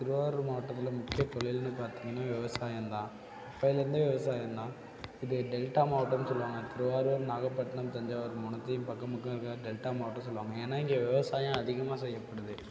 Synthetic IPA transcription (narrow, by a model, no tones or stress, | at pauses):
t̪ɪɾɯʋaːɾɾmaːʈːɐt̪ːɪlɐmʊkːɪjɐt̪ɔɭɪjɪlnːɯpaːɾt̪iːŋɡɐnːaːʋɪʋɐsaːjɐmt̪ãː | ɐpːɐːɪlɐɾɯnd̪ɯʋɪʋɐsaːjɐnd̪ãː | ɪðɯɖɛlʈaːmaːʈːɐmsɔlːʋaːŋɡɐt̪ɪɾɯʋaːɾɯʋɐɾnaːɣɐpːɐʈːɐnɐmt̪ɐɲd͡ʒaːʋɐɾɯmʊnɐt̪ːɐjʊmpɐkːɐmɯkːɐ̃ɾɯkːɐɖɛlʈaːmaːʈːɐs̬ɔlːʋaːŋɡɐeːnːaːɪŋɡeʋɪʋɐsaːjɐ̃ɐðɪɣɐmaːsɛjːɐpːɐɽɐðɯ